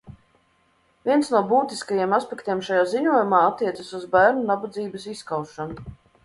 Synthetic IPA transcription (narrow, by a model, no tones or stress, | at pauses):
vʲiɛnsnuɔbuːt̪iskajimaspʲɛkt̪ʲiɛmʃajaːziɲuɔjumaːat̪ːiɛt̪sasuzbæːɾnunabad̪ziːbɐsiskawʃanu